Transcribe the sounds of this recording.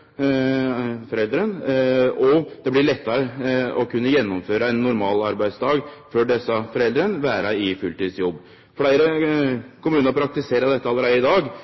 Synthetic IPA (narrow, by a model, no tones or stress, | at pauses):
fɔɾɛld̪ɾən | ɔd̪̥ɛblɪɭɛt̪ːɑɾəɔkʉnːəjɛnːʊmføːɾəɛnːʊɾmɑːlɑɾbæɪst̪ɑːɡføːɖɛsːəfɔɾɛld̪ɾənʋæːɾəɪfʉlt̪iːd̪sjɔbː | fɔɽæɪɾə | kʰʊmʉːnəɾpʰɾɑk̚t̪ɪseːɾəɖ̪ɛt̪ːəɑlːəɾæɪɪd̪ɑːɡ